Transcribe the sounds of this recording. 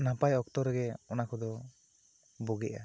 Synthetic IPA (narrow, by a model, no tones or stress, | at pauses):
napajɔkt̪ɔɾɛɡɛɔnakɔd̪ɔ | bɔɡɛ̰ʔa̰